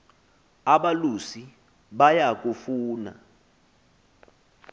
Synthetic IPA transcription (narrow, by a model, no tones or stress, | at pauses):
aɓalusi | ɓajak̬ufuːna̰